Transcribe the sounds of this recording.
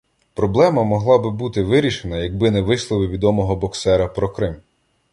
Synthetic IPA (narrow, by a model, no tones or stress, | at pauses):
pɾɔblˠɛmɐmɔɦlˠɑbɪbut̪ɪʋɪɾʲiʃenɐjɐɡ̚bɪnɛʋɪʃlˠɔʋɪʋʲid̪ɔmɔɦɔbɔksɛɾɐpɾɔkɾɪm